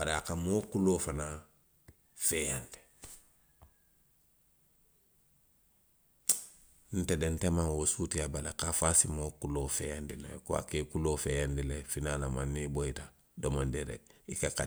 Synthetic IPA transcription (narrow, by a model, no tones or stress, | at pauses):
baɾakamoːkuloːfana | fejande̥ | n̩tedentemawosuːtiabalakafasimokuloːfejandilḛkuwa̰kekuloːfejandilefinalamanːiboita | domandeɾḛikaka